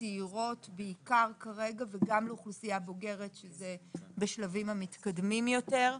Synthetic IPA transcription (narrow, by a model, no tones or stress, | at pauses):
iiʁo̞tbeikaʁkaʁe̞ɡaveɡamleuχlusijabo̞ɡe̞ʁe̞tʃezebeʃlavimamit̪kad̪mimjo̞teʁ